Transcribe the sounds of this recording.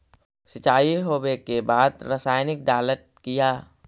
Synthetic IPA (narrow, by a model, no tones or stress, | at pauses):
sɪt͡ʃaːiɦoːbekebaːd̪ɾəsaːjnɪk̚d̪aːləʈ̚kijaː